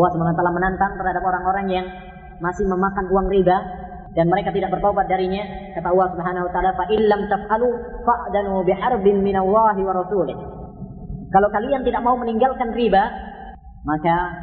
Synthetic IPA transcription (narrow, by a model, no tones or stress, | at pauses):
lːɑhsubɦanat̪alahmənant̪aŋt̪ərhadap̚oɾaŋoɾaŋjaŋ | masɪhməmakanruaŋriba | danməɾekat̪idaʔ̚bərt̪aobat̪̚daɾiɲakat̪aʔɑlˠːɑhsubəɦanahwat̪aʔaːlafaʔɪnlamt̪afʔalufaʔd̪anbɪħɑrbɪnmɪnalːɑːɦiwɑɾˤɑsuːlɪh | kalawkaliant̪idak̚mauməniŋɡalkanriba | maka